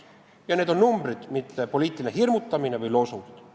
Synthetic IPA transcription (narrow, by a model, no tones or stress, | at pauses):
jɑneːd̪o̞nnumbrid̪̥mit̪ːepo̞liːt̪ːˑilineɦirmut̪ːɑminevɯjlo̞sut̪